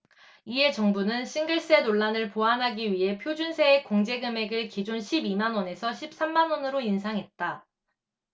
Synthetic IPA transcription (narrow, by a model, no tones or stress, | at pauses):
ie̞t͡ɕʌŋbunɯnɕʰiŋɡɯɭs͈e̞noɭːanɯɭpoɦanɦaɡiɥiɦe̞pʰjod͡ʑunsʰeekoŋd͡ʑe̞ɡɯme̞ɡɯɭkid͡ʑonɕʰibimanwʌne̞sʰʌɕʰip̚s͈amːanwʌnɯɾoinsʰaŋɦe̞t̚t͈a